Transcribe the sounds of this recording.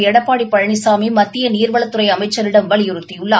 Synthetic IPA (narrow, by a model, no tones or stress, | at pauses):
ɛɽɐpːaːɽipːɐɻɐɳɪsaːmimɐt̪ːɪjɐniːɾʋɐɭɐt̪ːɯɾɐɪɐmɐɪt͡ʃːɐɾɪɽɐmʋɐɭɪjɯɾɯt̪ːɪjɯɭːa